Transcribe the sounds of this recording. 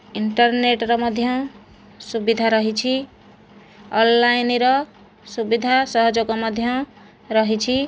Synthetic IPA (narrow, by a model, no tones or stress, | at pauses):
iɳʈʌrneʈɾʌmʌd̪ʱjʌ | subid̪ʱaɾʌɦit͡ʃʰi | ʌlːajniɾʌ | subid̪ʱasʌɦʌd͡zokomʌd̪ʱjʌ | ɾʌɦit͡ʃʰi